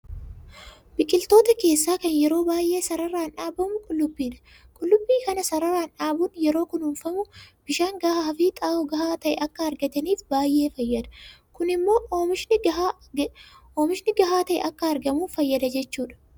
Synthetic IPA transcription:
b̥ɪkʼɪlt̪o̞ːt̪ɐke̞ːsːaːkɐnjɛɾo̞ːbaːjʔːe̞ːsɐɾɐɾːaːnᶑaːbɐmʊkʼʊlːʊbːiːᶑɐ̥ | kʼʊlːʊbːiːkɐnɐsɐɾɐɾaːnᶑaːbʊnjɛɾo̞ːkʊnhʊnfɐmʊb̥ɪʃaːŋɡɐhahɐfiːt̪ʼaːɔɡɐhaːt̪ɐʔɛʔɐkːɐɐɾɡɐt̪ɐniːfbaːjʔːeːfɐjːɐd̪ɐ̥kʊnɪmːo̞ːmɪʃn | oːmɪʃnɪɡɐɦaːt̪ɐʔɛ̰ʔɐkːɐɐɾɡɐmuːfɐjːɐd̪ɐd͡ʒɛt͡ʃːuːᶑɐ̥

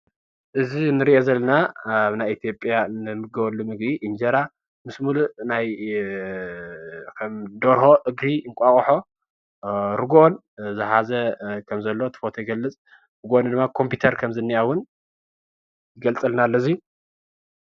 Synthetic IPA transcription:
ʔɨzinɨɾiʔozɐlːɐnaβnajit̪ʰijo̞pʼjanɨmɨɡɐβɐlːumɨɡbiʔind͡ʒɐɾa | mɨsmulunaj | kʰɐmd̪oɾɦo̞ʔɨɡɾiɨŋkʷʼaχʼħo̞ | ɾɨɡon | zɨhazɐkʰɐmzɐlːo̞t̪ʰɨ̥fot̪ʰojɡɐlːɨt͡sʼ | ɾɨɡond̪ɨmːakʰo̞mpjit̪ʰɐɾkʰɐmzɨnːiʔawʊn | jɪɡɐlt͡sʼɨlnalːoziju

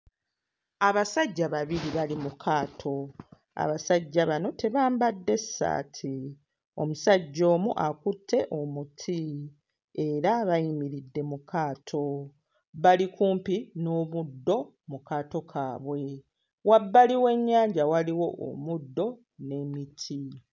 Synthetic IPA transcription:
aβasaɟːaβaβiɾiβalimukʰaːtʰo̞ | a̰βasaɟːaβano̞te̞βaːmbadːe̞sːa̰ːtʰi | o̞̰musaɟːo̞ːmuʔakutʰːe̞ʔo̞mutʰi | e̞ɾaβajimiɾidːe̞mukaːtʰo̞ | βalikuːmpino̞ːβudːo̞ | mukaːto̞kʰa̰ːβwe̞ | wabːaliwe̞ɲːaːɲɟawaliwo̞ʔo̰mudːo̞ | ne̞mitʰi

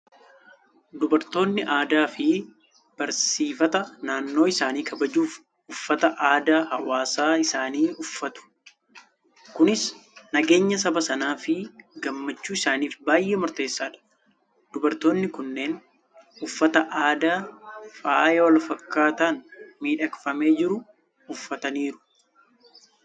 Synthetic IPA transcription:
d̪ʊbɐɾt̪o̞ːnːɪʔaːd̪aːfɪ | b̥ɐɾsiːfɐt̪ɐnaːnːo̞ːɪsaːniːkɐbɐd͡ʒuːf | ʔʊfːɐt̪ɐʔaːd̪aːhɐwaːsaːɪsaːniːʊfːɐt̪ʊ̥ | kʊnɪsnɐɡe̞ːɲːɐsɐbɐsɐnaːfɪɡɐmːɐt͡ʃːuːɪsaːniːfbaːjʔeːmɔɾt̪e̞ːsːaːᶑɐ̥ | d̪̥ʊbɐɾt̪o̞ːnːɪkʊnːe̞ːn | ʊfːɐt̪ɐʔaːd̪aːfaːjɛwɐlfɐkːaːt̪aːnmiːᶑɐkfɐme̞ːd͡ʒɪɾʊ | ʊfːɐt̪ɐniːɾʊ̥

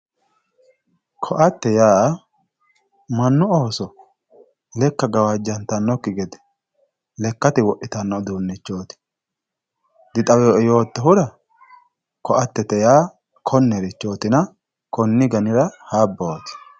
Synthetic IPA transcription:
kʰɔʔɐt̪ːɛjaː | mɐnːʊoːsɔ | lɛkːɐɡɐwɐd͡ʒːɐnt̪ɐnːɔkːɪɡɛd̪ɛ̥ | lɛkːɐt̪ɪwɔʔːɪt̪ɐnːɔd̪uːnːɪt͡ʃːo̞ːt̪ɪ̥ | d̪ɪt̪ʼɐwɛjo̞ːt̪ːɛɦʊɾɐ | kɔʔɐt̪ːɛt̪ɛjaː | kʰɔnːɛɾɪt͡ʃːo̞ːt̪ɪnɐ | kɔnːɪɡɐnɪɾɐhaːbːoːt̪ɪ̥

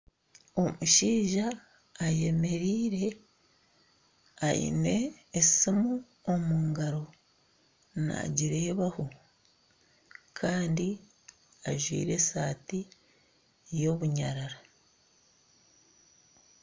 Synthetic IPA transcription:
o̞muʃiːʒaː | je̞me̞ɾiːɾe̞ | a̰jḭne̞ːsimu | omuːŋɡaɾo̞ | na̰ɟiɾe̞ːβaho̞ | kʰaːndi | aʒwḭːɾe̞saːti | jo̞βuɲaɾaɾa

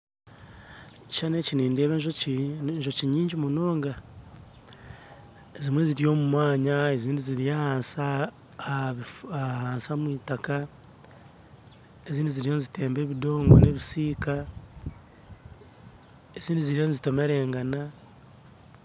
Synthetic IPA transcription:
t͡ʃaneciniːndeːβeʒ̬oʒo̞ciɲiːɲɟimunoːŋɡa | ezimwe̞ziɾijo̞ːmumwaːɲaeziːndiziɾijaːhaːnsa | βiahaːnsamwiːtaka | eziːndiziɾijo̞nizite̞ːmbe̞ːβido̞ːŋɡo̰ne̞βisiːka | eziːndiziɾijonizito̞me̞ɾe̞ːŋɡana

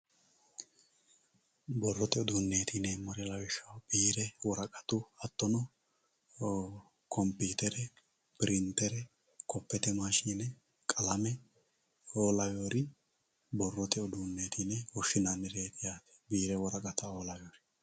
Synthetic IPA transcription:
bɔrːɔt̪ɛɔd̪uːnːe̞ːt̪inɛmɔɾɪlɐwɪʃɐwbiːɾɛwɔɾɐkʼɐt̪ʊɐt̪ːɔnɔ | kɔmpiːt̪ɛɾɛ | pɪɾɪnt̪ːɛɾɛ | kɔpːɛt̪ɛmaːʃiːnɛ | kʼɐlɐmɛ | oːlɐwoːɾɪ | bɔrːɔt̪ɛɔd̪uːnːe̞ːt̪ʰinɛwɔʃɪnanːɛɾeːt̪ɪjaːt̪ɛ̥biːɾɛwɔɾɐkʼɐt̪ɐoːlɐjoːɾɪ

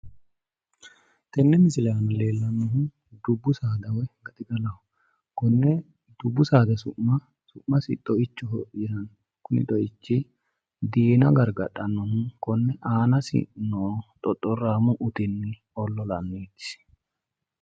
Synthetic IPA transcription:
t̪ɛnːɛmɪsɪlaːnɐle̞ːlːɐnːɔɦʊn | d̪ʊbːʊsaːd̪ɐwɛɡɐt̪ʼɪɡ̪ɐlɐhʊ | kɔnːɛ | d̪̥ʊbːʊsaːd̪ɐsʊʔɐ | sʊʔmːɐsɪ̰t̪ʼɔɪt͡ʃːʊhɔjɪsɐn | kʊnɪ̰t̪ʼɔɪt͡ʃːɪ | d̪eːnɐɡɐɾɡɐᶑːɐnːɔhʊnkɔnːɛʔaːnɐsɪ̰nɔt̪ʼɔt̪ʼːɔrːaːmʊʔʊt̪ɪnːɪ | ɔlːɔlɐnːeːt̪ːɪ̥s

